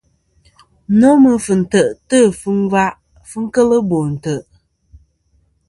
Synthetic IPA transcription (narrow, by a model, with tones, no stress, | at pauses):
nɔ˦mɨ˨fɨ˨n̩˨tə˨ʔtə˦˨fɨ˦n˦va˦ʔ | fɨ˦ŋ̩˦kə˦lə˦bo˨n̩˨tə˨ʔ